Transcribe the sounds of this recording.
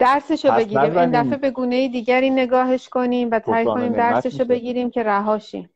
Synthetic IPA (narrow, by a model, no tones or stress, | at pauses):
d̪̥æɾse̞ʃobe̞ɟiːɾiːmind̪æfe̞be̞ɡuːne̞jid̪iːɟæɾiːne̞ɡɒːɦe̞ʃkʰo̞niːmvæt̪ʰæːjkʰo̞niːmd̪æɾse̞ʃobe̞ɟiːɾiːmcʰe̞ɾæɦɒːʃḭm